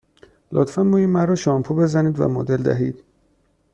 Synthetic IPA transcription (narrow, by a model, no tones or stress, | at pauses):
lʔot̪fænmuːjimæɾɔːʃɒːmpʰube̞zæniːd̪væ̰mod̪eld̪æ̰ɦiːd̪̥